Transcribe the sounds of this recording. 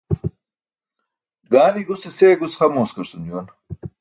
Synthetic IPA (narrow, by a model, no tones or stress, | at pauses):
ɡaːliɡuseseːɡusχɐmoːskɐɾsund͡ʑuːn